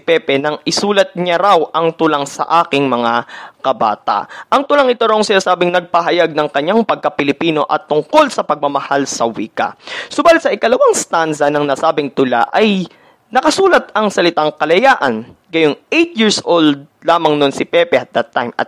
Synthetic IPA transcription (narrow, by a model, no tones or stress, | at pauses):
pɛpɛnɐŋɪsuːlɐt̪̚ɲɐɾawʔɐŋt̪ʊlaŋsɐ̰ʔaːkɪŋmɐŋakɐba̰ːt̪a̰ʔʔɐŋt̪ʊlaŋɪt̪oɾawŋsɪnaːsaːbɪŋnɐɡ̚pɐɦɐjaɡ̚nɐŋkɐɲːaŋpɐɡ̚kɐpɪlɪpiːno̞ʔɐt̪ːʊŋko̞lsɐpɐɡ̚mɐmɐhalsɐwiːkɐ̰sobaːlɪt̪̚sɐʔɪkɐlɐwaŋst̪ansɐnɐŋnaːsaːbɪŋt̪ʊla̰ʔɐj | nɐkɐsuːlɐt̪̚ɐŋsɐlɪt̪aŋkɐlɐjaːʔɐnɡɐjonʔejt̪̚jiɹsʔold̪̚laːmɐŋnonsɪpɛpɛʔɐt̪̚d̪ɐt̪ːajmɐ̰t̪̚